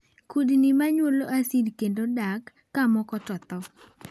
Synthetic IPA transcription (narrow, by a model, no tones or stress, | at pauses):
kudnimaɲwoloʔasidkendodakː | amɔkɔtɔt̪ɔ